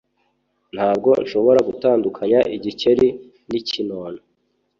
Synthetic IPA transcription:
n̥haːbɡo̞nʃo̞βo̞ɾaɡutaːndukʰaɲaʔiɟice̞ɾi | nicinoːna

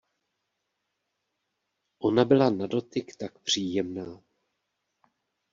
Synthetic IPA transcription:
ʔo̞nabɪlanado̞t̪ɪkt̪akpr̝̥iːjɛmnaː

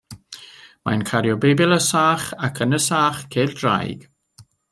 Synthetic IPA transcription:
ma̰jnkʰaɾjobebɪləsaːxakʰənəsaːxkʰeːld̥ɾa̰jɡ̥

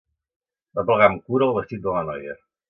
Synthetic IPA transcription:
əpləɣamkuɾəːlˠβəst̪it̪̚d̪ələnɔjə

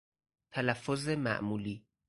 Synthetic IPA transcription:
t̪ʰælæfːozemæ̰ʔmuːliː

